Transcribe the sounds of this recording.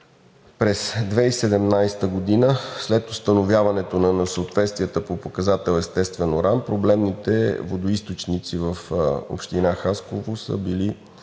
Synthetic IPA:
pɾɛsd̪vɛisɛd̪ɛmnajst̪əɡod̪inəslɛt̪ost̪ənovjavɐnɛt̪onɐnɐsəot̪vɛt̪st̪vijət̪əpopokɐzat̪ɛlˠɛst̪ɛst̪vɛnoɾampɾoblɛmnit̪ɛ̰vod̪oist̪ot͡ʃnit̪sivəfo̰pʃt̪inaxaskovosə̰bili

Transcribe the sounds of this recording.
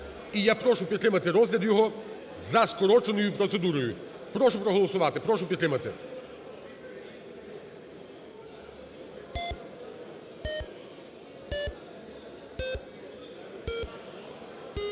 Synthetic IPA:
ijapɾɔʃupɾʲɛt̪lʲɪmat̪ɛɾɔzlʲɛd̪jɔɦɔ | zaskɔɾɔt͡ʃenojupɾɔt̪sɛd̪uɾɔjupɾɔʃupɾɔɦɔlˠɔsʊʋat̪ɪpɾɔʃupʲɛt̪lʲɪmat̪ɛ̰

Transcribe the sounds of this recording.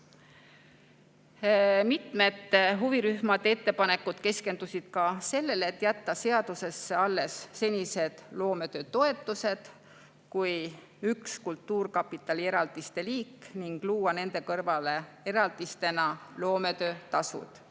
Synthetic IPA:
mit̪ˑme̞t̪ːɦuviɾyhmɑd̪̥e̞t̪ːe̞pɑne̞kːˑud̪̥ke̞ske̞nd̪̥usid̪̥kɑse̞lːe̞let̪ːˑjæt̪ːɑse̞ɑd̪̥use̞sːe̞ɑlːe̞sːe̞nʲise̞d̪̥lo̞ːme̞t̪ø̞ːt̪o̞e̞t̪ːˑuse̞d̪̥ | kuj | ykskult̪ːuːrkɑpːˑit̪ːˑɑlie̞ɾɑld̪ist̪e̞liːkːniŋɡ̥luːwɑne̞nd̪e̞kɤrvɑle̞e̞ɾɑld̪̥ist̪e̞nɑlo̞ːme̞t̪ø̞ːt̪ɑsṵd̪̥

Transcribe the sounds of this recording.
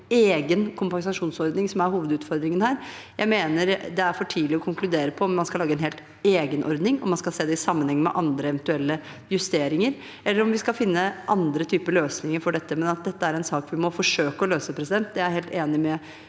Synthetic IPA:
eːɡənkʰʊmpɑŋsɑʂuːnsɔɾd̪nɪŋsɔmæɾhuːʋəd̪ʉːt̪fɔɾd̪ɾɪŋənhæːɾjæɪmeːnəɾd̪ɛæɾfɔʈʰiːlɪɔkʰʊŋklʉd̪eːɾəpʰɔɔmmːɑnskɑlɑːɡəɛnɦeːlt̪ | eːɡənʔɔ̰ɾd̪nɪŋɔmːɑnskɑlseːd̪ɛɪsɑmːənhɛŋːəmɛ̰ʔɑnd̪ɾəɛʋənt̪ʉɛlːə | jʉst̪eːɾɪŋəɾ | ɛlːəɾɔmʋɪskɑlfɪnːəʔɑnd̪ɾət̪ʰyːpəɾløːsnɪŋəɾfɔɖɛt̪ːəmɛnɑt̪̚d̪ɛt̪ːəæɾɛnsɑːkʋɪmɔfɔʂøːkəɔløːsəpʰɾɛsɪd̪ɛnt̪d̪ɛæɾheːlt̪eːnɪmɛ

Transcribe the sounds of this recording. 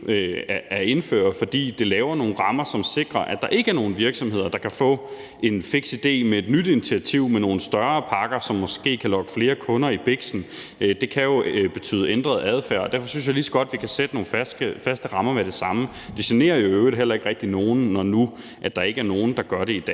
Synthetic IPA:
ææɐe̝nfø̰ːɐfɒ̽d̥ḭːd̥e̝lɛːʊɐno̝ːn̩ʁɑ̈mɐsɒ̽mse̝ɡ̥ʁɐʔæd̥ɑ̈ʔe̝ɡ̥əæɐno̝ːn̩ʋiɐɡ̥sɒ̽mhe̝ð̞̰ˠɐd̥ɑ̈kʰæfɔ̰̽ː | ʔe̝nfeɡ̥sid̥e̝̰ːmee̝d̥nyd̥i̝nit͡sʰiæt͡sʰiʊ̰meno̝ːn̩sd̥ɶɐːpʰɑ̈ɡ̥ɐsɒ̽mːɒ̽sɡ̥e̝̰ːkʰælɒ̽ɡ̥əfle̝ːɐkʰɔ̽nɐib̥eɡ̥sn̩ | d̥e̝kʰæjo̝b̥e̝t͡sʰy̰ːð̞̩ˠend̥ʁɐð̞̩ˠæð̞ˠfæ̰ɐɒ̽d̥æɐfɒ̽syn̰sjäɪlisɒ̥ɡ̥ɒ̽d̥ʋikʰæsed̥əno̝ːnfæsɡ̥əfæsd̥əʁɑ̈mɐmeɾ̥e̝sɑ̈mə | d̥esine̝̰ːɐjo̝øʊð̩ˠɦel̰ɐe̝ɡ̥ʁɛɡ̥̚d̥ino̝ːn̩ːɒnu | ʔæd̥ɑ̈e̝ɡ̥əæɐno̝ːn̩d̥ɑ̈ɡ̥ɶɐɾe̝id̥ɛ̰ː

